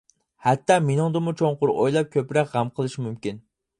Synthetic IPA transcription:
hɛt̪ːɑmenɨŋd̪ɨmut͡ʃʰoŋqʊɾojlˠɑp̚kʲʰøpɾɛkʲʁæmqʰəlˠɨʃimymkʲin

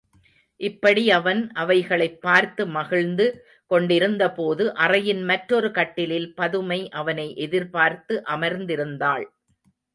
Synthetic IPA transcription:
ʔɪpːɐɽiɐʋɐnʔɐʋɐɪɣɐɭɐɪpːaːɾt̪ɯmɐɣɪɻnd̪ɯ | kɔɳɖɪɾɯnd̪ɐpoːðɯʔɐrɐjɪnmɐʈɾɔɾɯkɐʈːɪlɪlpɐðɯmɐɪʔɐʋɐnɐɪʔɛðɪɾpaːɾt̪ɯʔɐmɐɾnd̪ɪɾɯnd̪aːɭ

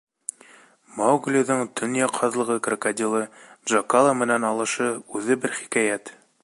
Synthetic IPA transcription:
mɑwɡlʲiðɤɴt̪ɵ̆njɑqʰɑðlˠɤ̆ʁɤkrɐkadʲilˠɤdʒɑkalˠamɘ̆nænɑlˠɤ̆ʃɤʉðɘbɘɾχi̥kæjæt̪

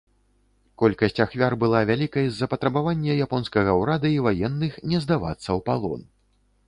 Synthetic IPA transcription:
kɔlʲkɐsʲt͡sʲaxvʲarbɨlˠavʲalʲikɐjzːɐpɐt̪ɾɐbavanʲːɛjapɔnskɐɣɐwɾad̪ɐivajɛnːɨxnʲɛzd̪ava̰t̪sːɐwpalˠɔ̰n

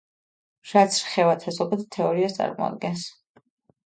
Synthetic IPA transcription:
ʃat̪sʰɾχɛvat̪ʰasɔpʰɛd̪t̪ʰɛɔɾiast̪sʼa̰ɾmɔ̰a̰d̪̚ɡɛns

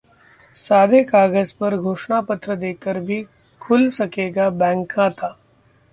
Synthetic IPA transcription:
saːd̪ʱekaːɡəzpɐɾɡʱoːʃɳapət̪ɾəd̪eːkːəɾbʱi | kʰʊlsɐkeːɡabɛ̃ːŋkːat̪ʰaː

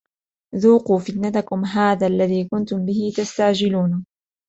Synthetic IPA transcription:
ðuːquːfɪt̪nat̪akʊmɦaːðaːʔlːaðiːkʊnt̪ʊmbɪhɪt̪ast̪aʕd͡ʒɪluːn

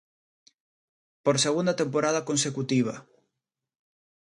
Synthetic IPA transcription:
poɾseɣund̪at̪empoɾað̞akonsekut̪iβ̞ɐ̰

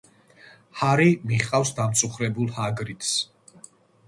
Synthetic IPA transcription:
haɾimiχqʼawsd̪amt̪sʼuχɾɛbulˠhaɡɾit̪ʰs

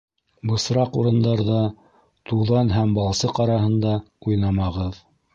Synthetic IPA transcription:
bɤ̆sɾɑqṵɾɤ̆nd̪ɑɾðɑ | t̪uðɑnɦæmbɑlˠsɤqɑɾɑɦɤ̆nd̪ɑ | ujnɑmɑʁɤð

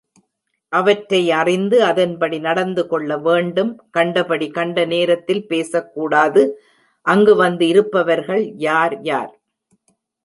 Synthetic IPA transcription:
ʔɐʋɐʈɾɐɪɐrɪnd̪ɯɐðɐnpɐɽinɐɽɐnd̪ɯkɔɭːɐʋeːɳɖɯmkɐɳɖɐpɐɽikɐɳɖɐneːɾɐt̪ːɪlpeːsɐkːuːɽaːðɯ | ʔɐŋɡɯʋɐnd̪ɯɪɾɯpːɐʋɐɾɣɐɭjaːɾjaːɾ

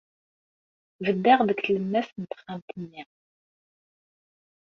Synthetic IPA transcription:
vəd̪ːæʁðəkθləmːæsnət̪χːamt̪ənːiʁ

